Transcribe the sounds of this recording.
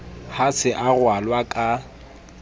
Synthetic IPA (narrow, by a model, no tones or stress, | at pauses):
hasʰɪʔaɣwalwakʼa